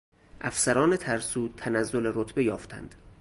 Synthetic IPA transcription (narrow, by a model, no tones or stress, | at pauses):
ʔæfsæɾɒːnet̪ʰæɾsuːt̪ʰænæzːoleɾot̪ʰbejɒːft̪ʰæ̰nd̪̥